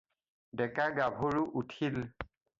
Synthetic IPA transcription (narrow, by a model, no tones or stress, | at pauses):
dɛkaɡabʱoɹuʔutʰil